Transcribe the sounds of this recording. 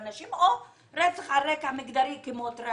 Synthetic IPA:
naʃimo | ɾet͡saχaɾekhamiɡd̪aɾikimot̪ɾe

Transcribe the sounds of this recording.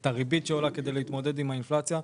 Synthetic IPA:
taʁibit̪ʃeolake̞d̪ejlehit̪mo̞d̪e̞d̪imhainflat͡sja

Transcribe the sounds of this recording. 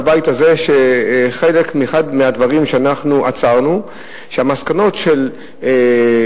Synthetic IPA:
bajitaze̞ʃeχe̞le̞kmieχad̪mead̪vaʁimʃeanaχnuʔat͡saʁnu | ʃeamaskano̞tʃe̞l | e

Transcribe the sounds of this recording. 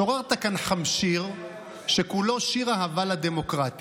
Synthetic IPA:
oʁaʁt̪akanħamʃiʁ | ʃekulo̞ʃiʁaɦavalad̪e̞mo̞kʁat̪i̥

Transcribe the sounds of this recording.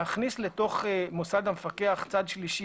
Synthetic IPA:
aχnisleto̞χmosad̪hamefakeaχt͡sad̪ʃliʃi

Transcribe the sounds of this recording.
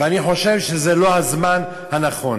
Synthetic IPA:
veaniχo̞ʃevʃezelo̞hazman | hanaχo̞n

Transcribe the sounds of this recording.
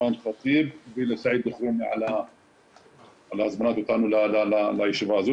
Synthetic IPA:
aːnxɑt̪ˤiːb̚biːlasaʕiːd̪dʊxɾuːniʕa̰la | ʕalaʔazmanaːt̪wt̪aːnlalalalaɪʃɪbaːzu

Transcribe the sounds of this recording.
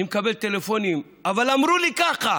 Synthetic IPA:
imkabe̞lt̪e̞lefo̞nim | avalamɾulikaχa

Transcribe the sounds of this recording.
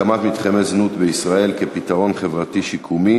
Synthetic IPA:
amat̪mit̪χemeznut̪beisʁae̞lkepit̪aʁo̞nχe̞vʁat̪iʃikʰumi

